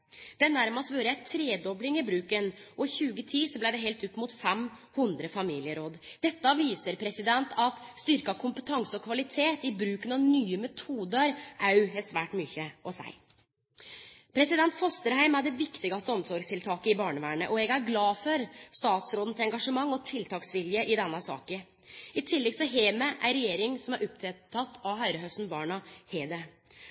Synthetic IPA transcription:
d̪̥ɛnæɾmɑst̪ʋøːɾəjæɪt̪ʰɾeːd̪ɔblɪŋɪbɾʉːkənʔɔɪçʉːɡət̪ʰiːsɔblæɪd̪ɛɦɛlt̪ʉp̪muːt̪fɛm | hʉnd̪ɾəfɑmiːlɪəɾoːd̪d̪̥ɛt̪ːəɑʋiːsəɾpʰɾɛsɪd̪ɛnt̪ʰɑt̪st̪ʏɾkɑkʰʊmpət̪ʰɑŋsəɔkʰʋɑlɪt̪ʰeːt̪ɪbɾʉːkənɑʋnyːəmɛt̪ʰuːd̪əɾʔɑʉɛsʋæːʈmʏçəʔɔsæ̰ɪ | pʰɾɛsɪd̪ɛnt̪fɔst̪əɾhæɪmæd̪ɛʋɪkt̪ɪɡɑst̪əɔmsɔɾɡst̪ʰɪlt̪ʰɑːkəɪbɑːɳəʋæːɳə̰ʔɔɛɡæɾɡlɑːfɔɾst̪ɑːt̪sɾoːd̪n̩sɛŋɡɑʂəmɑŋːɔt̪ʰɪlt̪ʰɑːksʋɪljəʔɪd̪ɛnːɑsɑ̰ːkə | ɪt̪ʰɪlːɛɡsɔɦeːməʔæɾɛjeːɾɪŋsɔmæɾʔɔpt̪ʰɛt̪ʰːɑt̪ːɑʋɦɑʏɾəɦœst̪n̩bɑːɳɑheːd̪ə

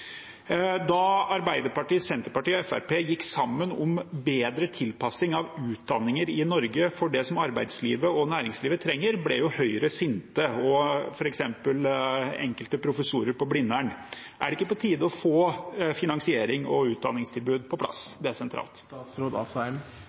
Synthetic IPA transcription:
d̪ɑɑɾbæɪd̪əɾpɑʈiːsɛnt̪əɾpɑʈiːɔɛfæ̰ɾpeːjɪkːsɑmːənɔmbeːd̪ɾət̪ʰɪlpʰɑsɪŋɑʋʉːt̪̚d̪ɑnːɪŋəɾɪnɔɾɡəfɔɖɛsɔmɑɾbæɪd̪sliːʋəɔnæːɾɪŋsliːʋət̪ʰɾɛŋːəɾblɛjʊhœʏɾəsɪnt̪əɔfɔɾɛksɛmpəlɛ̰ŋkəlt̪əpʰɾʊfəsuːɾəɾpɔblɪnːæɳ | ʔæ̰ɖɛɪkːəpɔt̪ʰiːd̪əɔfoːfɪnɑŋsɪeːɾɪŋɔ̰ʉːt̪̚d̪ɑ̰nːɪŋst̪ʰɪlbʉːd̪̚pʰɔplɑ̰sd̪ɛæsɛnt̪ʰɾɑ̰ːlt̪sɾod̪ɑsæɪn

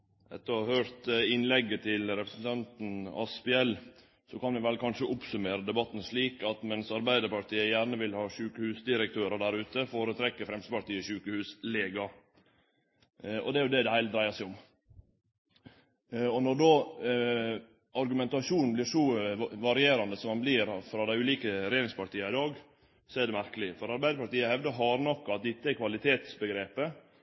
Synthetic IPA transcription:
ɛ̰t̪ːəɑhøːɾt̪ɪnlɛɡːət̪ʰɪlɾɛpɾəsn̩t̪ʰɑnt̪n̩ɑ̰spɛɛl | sɔkɑnʋɪʋɛlkʰɑnʂəʔʊpsʉmeːɾəd̪ɛbɑt̪ːn̩ʂɭiːkɑt̪mɛnsɑɾbæɪd̪əɾpɑɾt̪ʰiːəjæːɾɳəʋɪlhɑːʃʉːkəhʉːsd̪ɪɾək̚t̪ʰøːɾəɖ̪æɾʉːt̪əfoːɾət̪ʰɾɛkːəfɾɛmst̪əpɑɾt̪iːəʃʉːkəhʉːsleːɡɑ | ɔ̰d̪ɛæɾjʊd̪ɛd̪ɛhæɪl̚d̪ɾæɪəsæɪʊm | ɔnɔɖoː | ɑɾɡʉmɛnt̪ɑʂuːnn̩bliːʂuʋɑɾɪeːɾɑnd̪əsɔmɑnbliɾfɾɑːd̪æɪʉːliːkəɾɛjeːɾɪŋspʰɑɾʈ̪iːɑɪd̪ɑːɡ | sɔæɖɛmæɾkəlɪfɔɾɑɾbæɪəpɑʈ̪iːəhɛʋd̪əɦɑɾnɔkːɑt̪̚d̪ɪt̪ːəækʰʋɑlɪt̪ʰeːt̪sbəɡɾeːpə

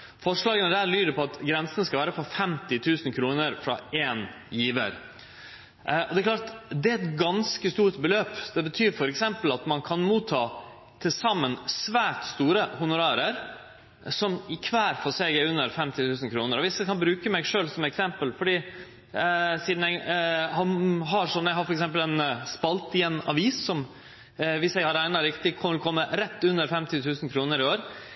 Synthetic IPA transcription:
fɔʂɭɑːɡənəd̪æːɾɭyːd̪əpʰɔɑt̪ɡɾɛnsənəskɑlʋæːɾəpʰɔfɛmt̪ɪt̪ʰʉːsənkʰɾuːnəɾfɾɑ̰eːn | jiːʋə̰ɾ | ʔɔd̪ɛklɑːʈ̪d̪ɛæɛt̪ɡɑnskəst̪uːɾt̪bəløːpd̪̥ɛbət̪ʰyːɾfɔɾɛksɛmpəl̩ɑt̪mɑnkʰɑnmuːt̪ʰːɑː | t̪ʰɪlsɑmːənsʋæːʈst̪uːɾəhʊnʊɾɑːɾəɾ | sɔmɪkʰʋæːɾfɔsɛɡəʉnːəɾfɛmt̪ɪt̪ʰʉːsn̩kʰɾuːnəɾɔʋɪsəkʰɑnbɾʉːkəmɛɡʂøːlsɔmɛksɛmpəlfɔɖiː | siːd̪n̩æɡhɑnɦɑɾʂɔmæɪhɑɾfɔɾɛksɛmp̬əlɛnspɑlt̪ɪɛnɑ̰ʋiːsːɔm | ʋɪsjæɪhɑɾæɪnɑɾɪkt̪ɪkʰɔməlkʰɔmːəɾɛt̪ːʉnːəɾfɛmt̪ɪt̪ʰʉːsənkʰɾuːnəɾɪoːɾ

